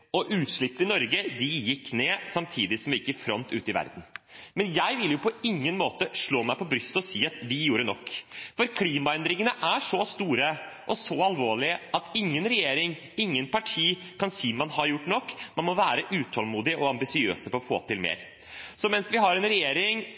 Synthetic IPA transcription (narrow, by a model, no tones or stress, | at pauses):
ɔʔʉːt̪ʂɭɪpːəɪnɔɾɡəd̪ɪjɪkːneːsɑmt̪ʰiːd̪ɪsɔmʋɛɪkːəfɾɔnt̪ʉ̰ːt̪əɪʋæ̰ɾd̪n̩mɛnjæɪʋɪljʊpʰɔɪŋːənmoːt̪əʂɭoːmæɪpʰɔbɾʏst̪ɔsiːɑt̪ʋɪjuːɾənɔkːfɔɾkʰliːmɑɛnd̪ɾɪŋənəʔæʂɔst̪uːɾə | ʔɔsɔɑlʋoːɭɪʔɑt̪ɪŋːənɾɛjeːɾɪŋ | ɪŋːənpɑʈʰiːkʰɑnsiːmɑnhɑɾjʊʈːnɔkːmɑnmɔʋæːɾəʔʉːt̪ʰɔlmuːd̪ɪʔɔɑmbɪsɪø̰ːsəpɔɔfo̰ːt̪ɪlmḛːɾ | sɔmɛnsʋɪɦɑɾɛnɾɛjeːɾɪŋ